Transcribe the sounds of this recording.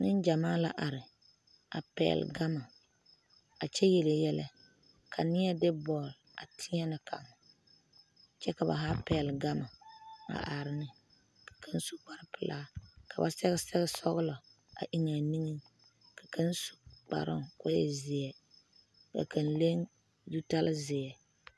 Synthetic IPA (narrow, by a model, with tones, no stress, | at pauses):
nɪ˦nd͡ʒa˨maː˦la˦ʔa˨ɾɪ˨ | a˨pɛ̰˨lɡa˦ma˨ | a˨t͡ʃɛ˦jɛ˨le˨jɛ˦lɛ̰˦ | kʰa˨nɪ˦jɛ˦dɪ˦bɔː˨l | a˨tʰɪ˦ɲɛ˦nɨ˨kʰa̰˨m˨ | t͡ʃɛ˦ka˨ba̰˨ɦa˦pɛ˨lɡa˦ma˨a̰˨ʔa˨ɾɪ˦nɪ˨ | kḁ˨kʰa˦n˦su˦k͡pa˨ɾpɨ˨laː˦ka˨ba˨sɛ˦ɣɛ˦sɛ˦ɣɛ˦sɔ˦ɣʊ˦lɔ˨ | a̰˨ʔi˦ŋa˨ni˦ŋɨ˦ | kḁ˨kʰa˦n˦su̥˨k͡pa̰˨ɾɪ̰˦ŋkɔ˦jɛ˨zɪ˨ɛ˨ | ka̰˨kʰa˨nle˦ŋ | ju˦ta˦lzɪ˨ɛ˨